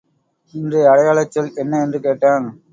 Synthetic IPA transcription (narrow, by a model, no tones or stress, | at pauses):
ɪndrɯɐɽɐjaːɭɐt͡ʃːɐlɛnːɐɛndrɯkeːʈːaːn